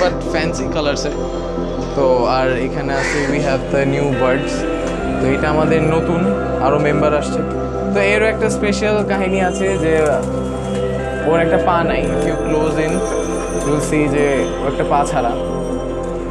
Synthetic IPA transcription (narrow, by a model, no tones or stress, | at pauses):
bɐʈfɛ̃nsikələɾse | t̪oaɾekʰɐnɐseʋiɦɛʋd̪ənjuːbɐɾɖs | t̪oeʈamad̪enot̪uːn | aɾomẽmbəɾɐst͡ʃʰe | t̪oeɾoek̚ʈaspeʃəlkaɦinĩat͡ʃʰed͡ʒe | oɾek̚ʈapanainfjukloːzĩn | ɾulsid͡ʒeoek̚ʈapãt͡ʃʰaɾa